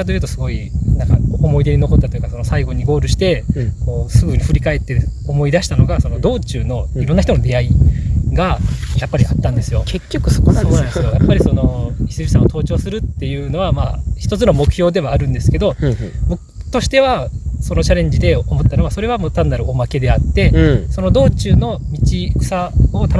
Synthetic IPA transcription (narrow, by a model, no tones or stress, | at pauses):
at̪o̞jɯ̟ːt̪o̞sɨɡo̞inãŋkaomo̞id̪e̞ɲ̟ino̞ko̞t̪ːat̪ojɯ̟kaso̞no̞saiɡo̞ɲ̟iɡo̞ːɾɯ̟ɕi̥t̪e̞ko̞ːsɨɡɯ̟ɲ̟iɸɯ̟ɾʲikae̞t̪ːe̞omo̞id̪aɕi̥t̪ano̞ɡaso̞no̞d̪o̞ːt͡ɕɨːno̞iɾo̞nːaçitono̞d̪e̞aiɡajapːaɾʲiat̪ːãnd̪e̞sɨjo̞kekʲːokɯsoso̞ːnanesɨjojapːaɾʲiso̞no̞çi̥sɨʑisãot̪ʰo̞ːt͡ɕo̞ːsɨɾɯt̪ːe̞jɯ̟ːno̞βamaçi̥t̪o̞t͡sɨno̞mo̞kɯ̟̥çjo̞ːd̪e̞βaːɾɯ̟̃nd̪e̞sɨ̥ke̞d̪o̞bokɯt̪o̞ɕi̥t̪e̞βaso̞not͡ɕaɾẽ̞ɲ̟d͡ʑid̪e̞omo̞t̪ːano̞βaso̞ɾe̞βamoːt̪ãnd̪ːaɾɯ̟o̞make̞d̪e̞at̪ːe̞so̞no̞d̪o̞ːt͡ɕɨːno̞mʲit͡ɕi̥sao̞t̪an